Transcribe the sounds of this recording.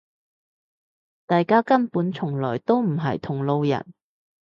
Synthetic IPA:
t̪aː˨jkaː˥kɐ˥npuː˨˥nt͡sʰʊ˨˩ŋlɔː˨˩jt̪o˥wm̩˨˩ɦɐ̰˨jt̪ʰʊ˨˩ŋlo˧wjɐ̰˨˩n

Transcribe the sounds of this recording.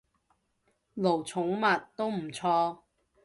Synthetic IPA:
lo˨˩wt͡sʰʊ˨˥ŋmɐ˨tt̪o˥wm̩˨˩t͡sʰɔː˧

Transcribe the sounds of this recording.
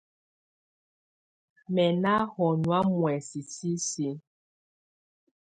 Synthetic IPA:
mɛ˨na˦hɔ˨nu˨a˦mwɛ˨si˨si˦si˦

